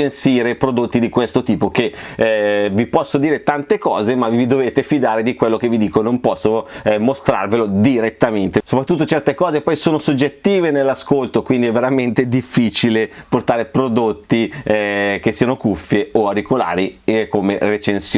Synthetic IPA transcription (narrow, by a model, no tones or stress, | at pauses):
ensiːɾepɾod̪ot̪ːid̪ikwest̪ot̪iːpok̟e | vipɔsːod̪iːɾet̪ant̪ekɔːzemavvid̪oveːt̪efid̪aːɾed̪ikwelːok̟evid̪iːkonompɔsːomost̪ɾa̰rvelod̪iɾet̪ːament̪esopɾat̪ːut̪ːot͡ʃɛrt̪ekɔːzepːɔjsoːnosod͡ʒːet̪ːiːvenelːaskolt̪okwind̪iɛvːeɾament̪ed̪ifːiːt͡ʃileport̪aːɾepɾod̪ot̪ːi | k̟esːiːanokufːjeoaɾikola̰ːɾikomeret͡ʃensj